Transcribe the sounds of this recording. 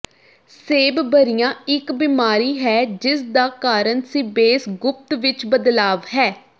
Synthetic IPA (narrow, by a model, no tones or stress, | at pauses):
seːbbəɾɪjãːɪkbiːmaːɾiːɦɛːd͡ʒɪsd̪aːkaːɾənsiːbeːsɡʊp̚t̪ʋɪt͡ʃbəd̪laːʋɦɛː